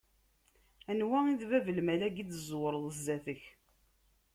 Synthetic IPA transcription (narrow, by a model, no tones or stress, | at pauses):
ænwæiðvævəlmælæɡid̪əzˤwɾˤðˤəzːæθəç